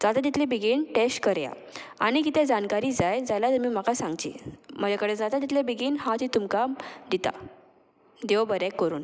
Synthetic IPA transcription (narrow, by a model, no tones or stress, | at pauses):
d͡zat̪at̪̬it̪lebiɡiːnʈesʈkəɾja̰ | a̰ɽ̃ikit̪ʰed͡zankaɾiːd͡zajd͡zajlat̪əɾmiːm̤akasãŋɡt͡ɕḭːm̤ə̃d͡ʑakəɽed͡zat̪at̪̬it̪ʰlebiɡiːnhãt͡ɕiːt̪umkad̪it̪a̰ | d̪eʋəbəɾɛkːəɾuːn